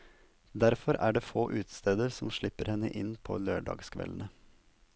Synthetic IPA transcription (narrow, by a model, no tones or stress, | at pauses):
d̪æɾfɔɾæ̰ːɖeːfoːʔʉːt̪st̪eːd̪əɾsɔmʃɭɪpəɾhɛnːə̰ʔɪnpʰo̰ːløːɖɑ̰ːɡskʰʋɛ̰ln̩ə